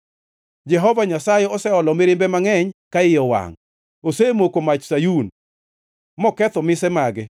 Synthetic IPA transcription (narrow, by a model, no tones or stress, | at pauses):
d͡ʒɛɦɔvaɲasajɛɔsɛɔlɔmɪɾɪmbɛmaŋɛɲkaɪjɔwa̰ŋ | osemokomat͡ʃsajun | mɔkɛt̪ɔmɪsɛmaɡɛ